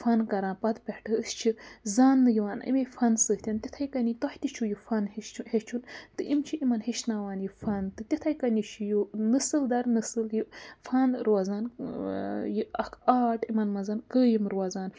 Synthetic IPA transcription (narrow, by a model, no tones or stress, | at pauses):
fɐnkɐɾãːnpɐt̪pʲehʈɨɨst͡ʃʰizaːnːɨjiʋaːnḭmejfɐnsɨht̪ʲɐnt̪ʲit̪ʰɐjkɐnit̪ɐht̪ʲit͡ʃʰujifɐnhehet͡ʃʰunt̪ɨʔimt͡ʃʰiʔimɐnheʃnawaːnjifɐnt̪ɨt̪ʲit̪ʰɐjkɐnit͡ʃʰijunɨsɨld̪ɐɾnɨsɨljifɐnɾuwazaːn | jiɐkʰaːʈimɐnmɐzɐnkəːjimɾwɐzaːn